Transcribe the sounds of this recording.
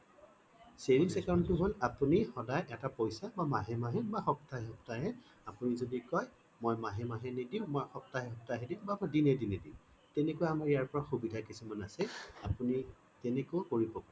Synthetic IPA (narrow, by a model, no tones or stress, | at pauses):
seɹinsɛkawntʊɦolapunixɔdajʔɛtapojsabamaɦɛmaɦɛbaxɔp̚taɦɦɔptaɦɛ | apunizodikɔj | mojmaɦɛmaɦɛnidiʊ̃mojxɔp̚taɦɛɦɔp̚taɦɛdiʊ̃bamɔjdinɛdinedĩ | tɛnekʊwaamaɹijaɹpɔɹaxubidʱakisumanasɛapuni | tɛnekokoɹibɔka